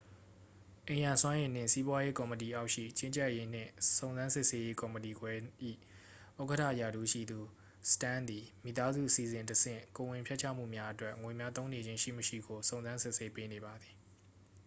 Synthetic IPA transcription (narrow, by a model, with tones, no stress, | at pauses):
ʔẽ˨jã˨swã˦ʔẽ˨n̥ɪ̰̃˦˨nsi˦bwa˦je˦kɔ˨mə˨t̬i˨ʔa˦ʊʔʃḭ˦˨t͡ɕɪ̃˦ɲt͡ɕɛ˦ʔje˦n̥ɪ̰̃˦˨sõ˨ʊ̃nzã˦nsɪ˦ʔse˦je˦kɔ˨mə˨ti˨ɡwɛ˦ḭ˦˨ | ʔo˦˨kə˦tʰä̰˦˨ja˨ɾu˦˨ʃḭ˦˨d̪u˨ | sə̥tã˦˨nd̪i˨mḭ˨t̪a˦zṵ˦˨ʔəsi˨zɪ̃˨ntəsɪ̰̃˦˨ko˨wɪ̃˨mpʰjɛ˦ʔt͡ɕʰa̰˦˨m̥ṵ˦˨mja˦ʔə˦twɛ˦ʔŋwe˨mja˦t̪õ˦ʊ̃ne˨d͡ʑɪ̃˦ʃḭ˦˨məʃḭ˦˨ɡo˨sõ˨ʊ̃nzã˦nsɪ˦ʔse˦pe˦ne˨ba˨d̪ði˨